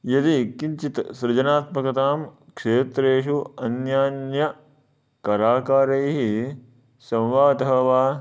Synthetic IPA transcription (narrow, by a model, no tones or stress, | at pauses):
jɐd̪ikiɲt͡ʃit̪sɾɐd͡ʒɐnaːt̪mɐkɐt̪aːmkʂeːt̪ɾeːʃuɐnjaːnjɐ | kɐɾaːkaːɾɐjɦi | sɐ̃mʋaːd̪ɐɦɐʋaː